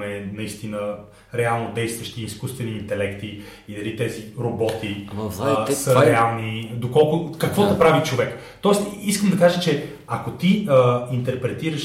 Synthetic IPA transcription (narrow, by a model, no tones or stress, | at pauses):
mɛnɐist̪inə | ɾɛalˠnod̪ɛjst̪vəʃt̪iːskust̪vɛniːnt̪ɛlɛkt̪i | id̪ɐlit̪ɛziɾobɔt̪i | səɾɛalˠnid̪okɔlˠkʊkɐkvɔd̪ɐpɾavit͡ʃovɛk | t̪ɔɛst̪iskəmd̪ɐkaʒət͡ʃɛ | akot̪iint̪ɛɾpɾɛt̪iɾəʃ